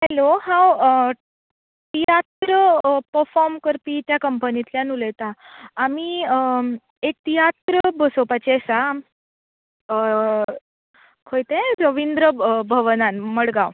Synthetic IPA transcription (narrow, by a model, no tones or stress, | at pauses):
hɛlohãw | t̪ijat̪ɾəpəɾfɔɾmkəɾpit̪jakəmpənit̪ljanuləjt̪aːmi | ek̚t̪ijat̪ɾəbəsopat͡ɕesa | kʰojt̪ẽɾəʋind̪ɾəbʱəʋnanməɽɡãw